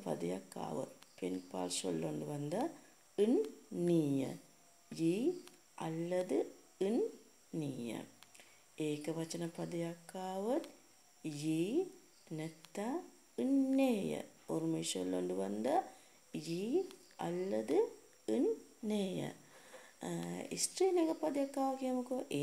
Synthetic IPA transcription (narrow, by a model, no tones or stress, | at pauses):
pɐ̰d̪ɐja̰kːa̰ːʋɐ̰t̪penpa̰ːlso̰lːoːɳɖɨʋɐnd̪ɐ | ɨnniːjɐ̰ | ji | ɐ̰lːɐðɨ | ɨnː | iːjɐ̰ | eːkːɐʋɐt͡ɕːɐnɐpɐd̪ɐjakːaːʋɐt̪ | ji | net̪ːa | ɨnːeːjɐ̰ormeːʂɐlːo̰ɳɖɨʋɐnd̪ɐ | ji | ɐ̰lːɐd̪ɨ | ɨnːeːjɐ̰ | ḭsʈriːnekɐpːɐd̪ɐjɐkːaːʋɐkiemukːoʔeː